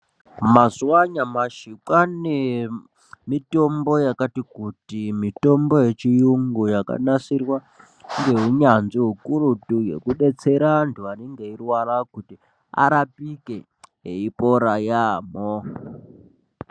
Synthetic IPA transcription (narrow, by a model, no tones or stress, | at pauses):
mazuwaɲamaʃikwane | mitombo̞jakatikutimito̞mbo̞je̞t͡ʃijuŋɡujaka̰nasirwa | ŋɡe̞ɦuɲand͡ziɦukuɾutuje̞̰kuɗe̞t͡se̞ɾantʰuaneŋɡeirwarakuti | a̰ɾapike | ɦḛipoɾajaːmo